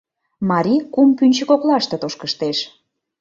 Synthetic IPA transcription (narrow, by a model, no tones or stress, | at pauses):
mɑɾʲikumpynʲt͡ɕəkoklɑʃt̪et̪oʃkəʃt̪eʃ